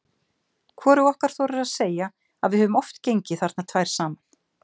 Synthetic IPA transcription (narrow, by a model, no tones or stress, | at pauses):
kʰɔːɾuɔhkaɾ̥θɔwɾɪɾaðseːja | a̰ðvɪðhœvʏmɔft̪cejɲcɪθaɾ̥t̪nat̪ʰvaːjɾ̥saːman̥